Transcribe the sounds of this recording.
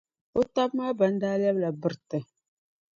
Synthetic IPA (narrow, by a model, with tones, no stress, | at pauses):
o˦ta˦bmaː˦ba˨n˦daː˦lɛ˦bla˨bɨ˨ɾtɨ˨